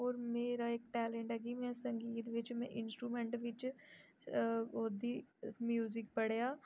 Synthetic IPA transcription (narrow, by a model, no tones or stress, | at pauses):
ɔːɾmeːɾaeːkʈɛːlẽɳʈɦɛːɡimɛ̃sə̃ŋɡiːt̪ʋɪt͡ʃmɛ̰̃ʔɪnsʈɾuːmẽɳʈʋɪt͡ʃ | oːd̪imjuːzɪk̚pəɽjaː